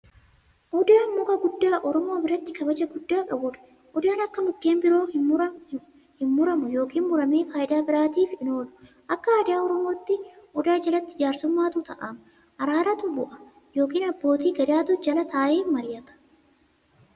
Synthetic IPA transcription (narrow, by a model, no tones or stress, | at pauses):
ʔɔd̪aːnmʊkɐɡʊd̪ːaːʔɔɾɔmo̞ːbɪɾɐt̪ːɪkɐbɐd͡ʒɐɡʊd̪ːaːkʼɐbʊᶑɐ̥ | ʔɔd̪aːnɐkːɐmʊɡːeːmbɪɾo̞ːɐ | hɪnmʊɾɐmʊjo̞ːkiːnmʊɾɐmeːfaːjɪd̪aːbɪɾaːt̪iːfɪno̞ːlʊ̥ | ʔɐkːɐaːd̪ɪjaːɔɾɔmo̞ːt̪ːɪʔɔd̪aːd͡ʒɐlɐt̪ːɪ̥d͡ʒaːɾsʊmːaːt̪ʊt̪ɐ̰ʔaːm | ʔɐɾaːɾɐt̪ʊbʊʔɐ | jo̞ːk̬iːnɐbːo̞ːt̪iːɡɐd̪aːt̪ʊd͡ʒɐlɐt̪aːʔeːfmɐɾɪjɐt̪ɐ̥